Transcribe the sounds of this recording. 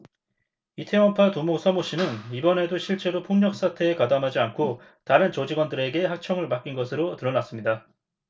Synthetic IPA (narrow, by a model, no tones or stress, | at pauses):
itʰe̞wʌmpʰatumosʰʌmoɕ͈inɯnibʌne̞doɕʰiɭt͡ɕ͈e̞ɾopʰoŋɲʌk̚s͈atʰe̞ːkadamɦad͡ʑiankʰo | taɾɯnt͡ɕod͡ʑiɡwʌndɯɾe̞ɡe̞hak̚t͡ɕʰʌŋɯɭmak͈inɡʌsʰɯɾotɯɾʌnas͈ɯmɲida